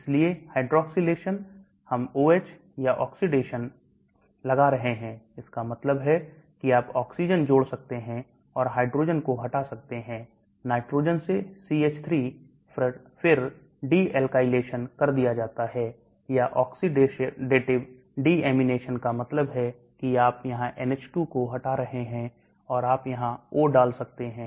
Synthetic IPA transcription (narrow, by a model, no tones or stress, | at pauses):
ɪsliehaːɪɖɾɔːksiɖeːʃən | hɐmoːeːt͡ʃ | jaʔɔːksiɖeːʃən | lɐɡaɾɐɦeɦɛ̃ːɪskamɐt̪ləbɦɛ | kiaːpɔːksiːd͡ʒənd͡ʒoːɽsɐk̚t̪eɦɛ̃ | ɔːɾɦaːɪɖɾoːd͡ʒənkoɦɐʈaːsɐk̚t̪eɦɛ̃ː | naːɪʈɾoːd͡ʒənsesiːeːt͡ʃt̪ʰɾiː | fʰɪɾ | ɖiːɛːlkaːɪleːʃənkɐɾd̪ijad͡ʒaːt̪aɦɛ | jaʔɔːksiɖeɖeːʈɪb | ɖiɛːmɪneːʃənkamɐt̪ləbɦɛ | kiaːpjɐɦãʔɛnɛːt͡ʃʈukoɦɐʈaɾɐɦeɦɛ̃ | ɔːɾaːpjɐɦãoːɖaːlsɐk̚t̪eɦɛ̃ː